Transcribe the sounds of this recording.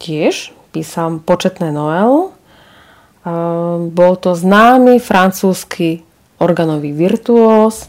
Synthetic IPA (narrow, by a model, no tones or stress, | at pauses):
cɪɛʃ | piːsalmpɔt͡ʃɛt̪nɛːnɔʋɛlu | bɔlt̪ɔznaːmifɾant͡suːskʰi | ɔɾɡanɔʋiʋiɾt̪uɔːs